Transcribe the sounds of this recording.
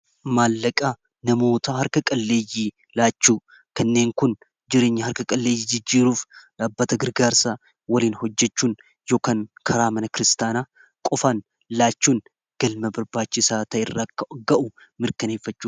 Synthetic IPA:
maːlːɐkʼa | nɐmo̞ːt̪ɐɦɐɾkɐkʼɐlːe̞ːjiː | laːt͡ʃːuː | kɐnːe̞ːŋkʊn | d͡ʒɪɾe̞ːɲːɐhɐɾkɐkʼɐlːeːjid͡ʒɪd͡ʒːiːɾuːfaːbːɐt̪ɐɡɨɾɡaːɾsa | wɐliːnhɔd͡ʒːɛt͡ʃːuːn | jo̞ːkaːnkʰɐɾaːmɐnɐkɪɾɪst̪aːnaː | kʼɔfaːn | laːt͡ʃːuːn | ɡ̥ɐlmɐbɐɾbaːt͡ʃːɪsaːt̪ɐɪrːaɡɐʔʊ | mɪɾkɐne̞ːfːɐt͡ʃːuː

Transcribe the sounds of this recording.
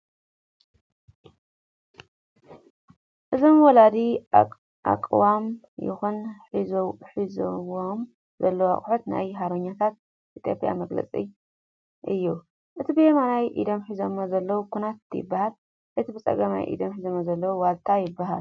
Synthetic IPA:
ʔɨzomwɔlad̪i | ʔa̰kʼwam | jɪ̰xunħizoħizoom | zɐlːɐwa̰χʼħot̪na̰jɦaɾoɲːat̪ʰat̪̚ | ʔit̪ʰjopʼja̰mɐɡlɐ̰t͡sʼḭ | ʔɨjːu | ʔɨt̪ʰibɨjemanajʔḭd̪omħizomːozɐlːɐwukʰunat̪jɪ̰bːahal | ʔɨt̪ʰibɨt͡sʼɐ̰ɡɐma̰jʔḭd̪omħizomozɐlːɐwuwalt̪ʰajɪbːaɦa̰l

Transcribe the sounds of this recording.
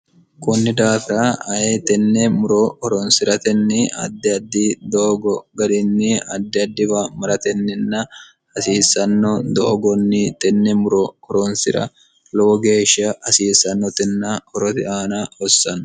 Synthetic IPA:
kʊnːɪd̪aːfɪɾɐɐjet̪ɛnːɛmʊɾɔhɔɾɔnsɪɾɐt̪ɛnːɪɐ̰d̪ːɪɐd̪ːid̪oːɡɔɡɐd̪ɪnːɪɐd̪ːɪɐd̪ːɪbɐmɐɾɐt̪ɛnːɪnːɐ | ɐsiːsːɐnːɔd̪oːɡɔnːɪt̪ɛnːɛmʊɾɔhɔɾɔnsɪ̰ɾɐ̰ | lɔwɔɡe̞ːʃːɪɐʔɐsiːsːɐnːɔt̪ɪnːɐhɔɾɔt̪ɪaːnɐɔsːɐn

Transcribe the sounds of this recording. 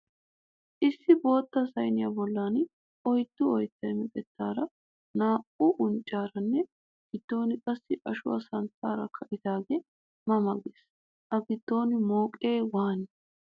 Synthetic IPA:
ʔɪsːɪbo̞ːt̪ːɐsɐjnɪjɐbɔlːaːn | ɔjt̪ːʊɔjt̪ːɐjmɪkʼɛt̪ːaːɾɐ | naːʔʊʔʊnt͡ʃʼːaːɾɐnːɛ | ɡ̥ɪd̪̥ːo̞ːnɪkʼɐsːɪʔɐʃʊwɐ̰sɐnt̪ːaːɾɐkʰɐʔɪt̪aːɡɛ | mɐmɐɡes | ʔɐɡɪd̪̥ːo̞ːnɪmo̞ːkʼe̞ːwaːnɪ

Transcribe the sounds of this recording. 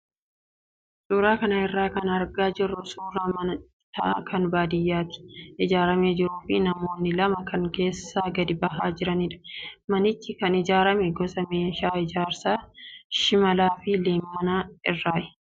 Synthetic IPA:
suːɾaːkɐnɐɪrːaːkɐnɐɾɡaːd͡ʒɪrːʊsuːɾaːmɐnɐ | t̪ɐʔakɐnbaːd̪ɪjːaːt̪ɪ̥ʔɪd͡ʒaːɾɐmeːd͡ʒɪɾuːfɪnɐmo̞ːnːɪlɐmɐkɐŋke̞ːsːaːɡɐd̪ɪbɐɦaːd͡ʒɪɾɐniᶑɐ̥mɐnɪt͡ʃːɪkɐnɪd͡ʒaːɾɐmɛɡɔsɐmeːʃaːɪd͡ʒaːɾsaːʃɪmɐlaːfɪleːmːɐnaːɪrːaːʔɛ̥

